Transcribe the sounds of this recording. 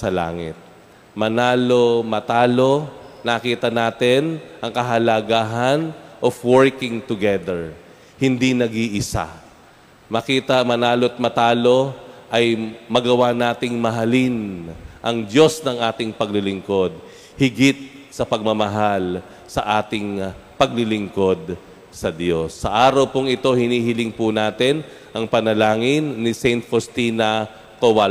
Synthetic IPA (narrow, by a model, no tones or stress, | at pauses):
sɐla̰ːŋɪ̰t̪̚ | mɐnaːlo̞mɐt̪aːlo̞nɐkiːt̪ɐnaːt̪ɪnʔɐŋkɐɦɐlɐɡaːɦɐnʔofwɔɹkɪŋt̪ʊɡɛd̪ɛɹ | hɪnd̪inɐɡiʔɪsa̰ | mɐkiːt̪ɐmɐnaːloɐt̪̚mɐt̪aːlo̞ʔɐjmɐɡɐwanaːt̪ɪŋmɐɦɐlinʔɐŋd̪jo̞snɐŋʔaːt̪ɪŋpɐɡlɪlɪŋko̞d̪̚ | hɪɡɪt̪̚ | sɐpɐɡ̚mɐmɐɦal | sɐ̰ʔaːt̪ɪŋpɐɡlɪlɪŋko̞d̪̚ | sɐd̪jo̞sːɐʔaːɾɐwpoŋɪt̪o̞hɪniːɦɪlɪŋpʊnaːt̪ɛn | ʔɐŋpɐnɐlaːŋɪnːɪsɛjnt̪fost̪iːnɐ | kowal